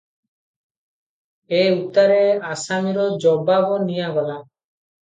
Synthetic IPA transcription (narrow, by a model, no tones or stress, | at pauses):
eut̪aɾeasamiɾɔd͡ʒɔbabɔnijabala